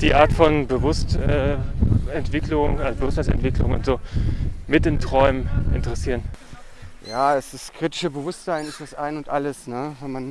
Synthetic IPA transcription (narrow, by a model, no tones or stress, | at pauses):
d̥iːʔaːɐtfɔnbəvʊstɛː | ɛntv̥ɪklʊŋazbəvʊstasɛ̰ntv̥ɪklʊ̰ŋʊ̰ntz̥oːmɪtɪntʁ̥ɔʏməʔɪ̰ntəʁɛsiːʁən | jaːɛsd̥askʁ̥itɪ̥ʃəbəvʊstz̥aɪnɪstasʔaɪnʊntʔaləsnəvɛnman